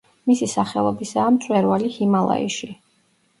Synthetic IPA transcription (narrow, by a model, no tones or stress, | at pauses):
misisaχɛlˠɔbisaːmt̪sʼwɛɾvalihimalˠa̰ḭʃi